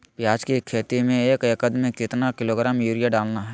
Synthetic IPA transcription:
pjaːd͡ʒkikʰeːt̪imẽeːkəkəd̪mẽkɪt̪nakɪloːɡɾaːmjuːɾijaɖaːlnaɦɛː

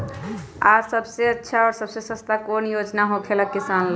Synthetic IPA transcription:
asəbseətːʃʰaɔɾsəbsesə̃st̪akonjod͡ʒnaɦokʰeləkːisanl

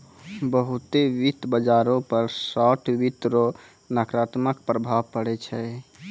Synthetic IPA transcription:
bəɦut̪eʋit̪bəd͡ʒaɾõpəɾsɔʈʰʋit̪ɾo | nakɾat̪məkpɾəbʱabpəɽɛt͡ʃʰɛ

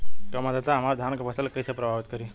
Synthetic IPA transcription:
k̪omad̪at̪aɦɐmaɾd̪ʱjankabəsəlkəjsepɾɐbʱaʋit̪kəɾi

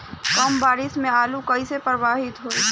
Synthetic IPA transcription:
kɐmbaːɾɪsmẽaːlukɐisepəɾʋaːɦɪt̪ɦoːi

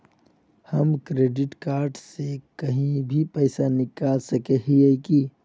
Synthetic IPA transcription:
hɐmkɾeːɖɪʈkaːɾɖsekɐɦĩbʱipɛːsanɪkaːlsɐkeɦieki

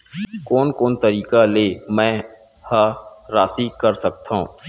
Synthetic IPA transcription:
kɔːnkɔːnt̪ɐɾiːkaleːmɛ̃ː | ha | ɾaːsikɐɾsɐk̚t̪ʰaɦṵ̃ː

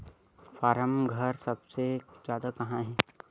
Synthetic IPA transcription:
faːɾəmɡʱɐɾsɐbsezjaːd̪akɐɦãɦɛ̃ː

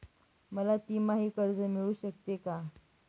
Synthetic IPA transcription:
məlat̪iːmaɦiːkəɾd͡zəmiɭuːɕək̚t̪eka

